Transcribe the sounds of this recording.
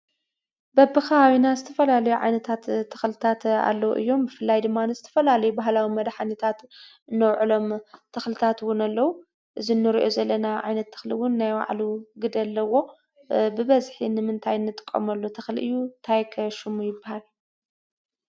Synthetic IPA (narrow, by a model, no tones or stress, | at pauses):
bɐbɨxawinazɨt̪ʰɐ̥fɐlalɐjuʕa̰jnɐt̪ʰat̪ʰːɐ̥xlɨt̪ʰat̪a̰lːɐwṵʔɨjːo̞mbɨfɨlːajd̪ɨmːanɨzɨt̪ʰɐ̥fɐlalɐjubaɦlawimɐd̪ħanɐt̪ʰat̪ | ɨnːɐwʕɨlo̞mt̪ʰɐxlɨt̪ʰat̪wʊnalːɐwu | ʔɨzinːɨɾiʔozɐlːɐnaʕa̰jnɐt̪ʰːɐ̥xliwʊnːajwa̰ʕluɡɨd̪ɐlːɐwo̞ | bɨβɐzħinɨmɨnt̪ʰajnːɨt̪ʼɨ̥kʼːɐ̰mɐlːot̪ʰɐxliʔɨjːunt̪ʰajkʰɐʃɨmujɪbːahal